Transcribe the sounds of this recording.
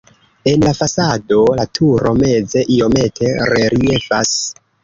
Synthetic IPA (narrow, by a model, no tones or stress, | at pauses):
e̞nlafasado̞latʰuɾo̞me̞ze̞ʔio̞me̞tʰe̞ɾe̞ɾie̞fas